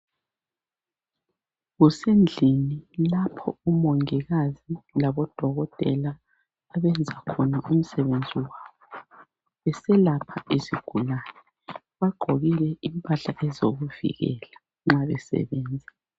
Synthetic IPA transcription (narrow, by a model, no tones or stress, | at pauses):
ɣusend͡ɮʱinilapʰɔumoŋiɣazilaβɔd̥ʱɔɣɔtʼɛlaː | βɛnd͡zʱakʰɔnaʔum̩sɛβend͡zʱiwaːβɔ | βɛsɛlapʰaesiɡ̥ʱulaːnɛ | βaɡ͡ǃʱoɣilɛimpʼaɬaʔɛzoɣuvḭɣɛ̰la | ŋ͡ǁaβɛsɛ̰βɛːnd͡zʱɛ